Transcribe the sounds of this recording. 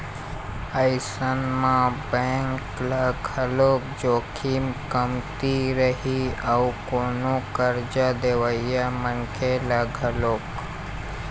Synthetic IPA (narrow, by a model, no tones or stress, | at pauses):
əɪsənmãbɛ̃ːŋklaɡʱəloːk̚d͡ʒoːkʰiːmkəmt̪iɾəɦiaukoːnokəɾd͡ʒad̪eːʋəijamənkʰelaɡʱəloːk